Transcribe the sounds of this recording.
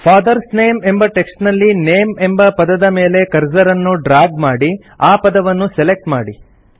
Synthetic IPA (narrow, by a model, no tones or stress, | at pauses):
pʰaːd̪ɐɾsne̞ːme̞mbɐʈe̞ksʈnɐlːineːme̞mbɐpɐd̪ɐd̪ɐme̞ːle̞kɐɾd͡ʒɐɾɐnːuɖɾaːɡmaːɽi | aːpɐd̪ɐʋɐnːusele̞k̚ʈmaːɽi